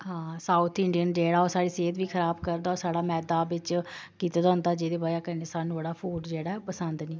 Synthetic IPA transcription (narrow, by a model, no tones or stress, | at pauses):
ɦãːsaːut̪ʰɪ̃ɳɖijənd͡ʒeːɽaːoːsaːɽiːseːt̪ʋiːkʰəɾaːbkəɾd̪aːoːsaːɽaːmɛːd̪aːbɪt͡ʃkiːt̪aːd̪aːɦʊ̃nd̪aːd͡ʒeːd̪eːbaːiaːkəɾneːsaːnũbəɽaːpʰuːʈd͡ʒeːɽaːɛpəsənd̪niː